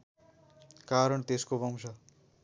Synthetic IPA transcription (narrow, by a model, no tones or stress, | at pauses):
kaɾʌɳt̪eskobʌm̃sʰʌ